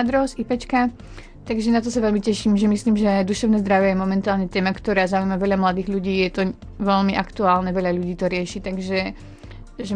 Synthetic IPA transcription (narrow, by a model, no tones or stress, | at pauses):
d̪ɾɔsipɛt͡ʃka | t̪aɡʒɛnat̪ɔsaʋɛlmicɛʃiːmʒɛmisliːmʒɛd̪uʃɛʊnɛːzd̪ɾaʋjɛjɛmɔmɛnt̪aːlɲɛt̪ɛːmakt̪ɔɾaːzauiːmaʋɛʎamlad̪iːɣʎuɟiːjɛt̪ɔ | ʋɛʎmiʔakt̪uaːlnɛʋɛʎaʎuɟiːt̪ɔɾɪɛʃit̪aɡʒɛ | ʒɛ